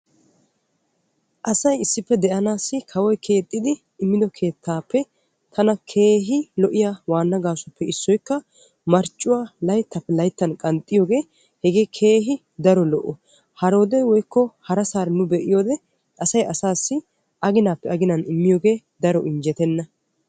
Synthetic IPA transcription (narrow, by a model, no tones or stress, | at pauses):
ʔɐsɐjɪsːɪpːɛd̪ɛʔɐnaːsːɪkʰɐwɔjkʰe̞ːt̪ʼːɪd̪ɪ | ɪmːɪd̪ɔkʰe̞ːt̪ʰːaːpːɛ | t̪ʰɐnɐkʰe̞ːɦɪlɔʔɪjawaːnːɐɡaːsɐpːɛɪsːɔjkːɐ | mɐɾt͡ʃʼːʊwaːlɐjt̪ːapːɛlɐjt̪ːɐnkʼɐnt̪ʼːɪjoːɡe̞ː | hɛɡeːkʰe̞ːɦɪ | d̪ɐɾɔlɔʔːɔ | hɐɾo̞ːd̪ɛjwɔjkːɔhɐɾɐsaːɾnʊbɛʔɪjo̞ːd̪ɛ | ɐsɐjʔɐsaːsːɪ | ʔɐɡɪnaːpːɛɐɡɪnɐnɪmːɪjoːɡe̞ː | d̪ɐɾɔʔɪnd͡ʒɛt̪ɛnːɐ